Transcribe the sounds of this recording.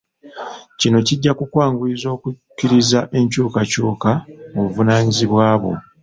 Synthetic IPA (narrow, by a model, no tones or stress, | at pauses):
cino̞ciɟːakukwaːŋɡulizo̞ːkukːiɾizaʔe̞ɲcuːkacuːkamoβuvunaːɲiziβwaːβo̞̰